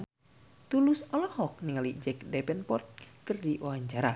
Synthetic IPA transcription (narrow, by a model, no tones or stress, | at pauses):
t̪ulʊsɔlɔhɔk̚niŋalid͡ʒɛkdɛpɛnpɔrt̪̚kɨrdiʔawaɲt͡ʃaɾa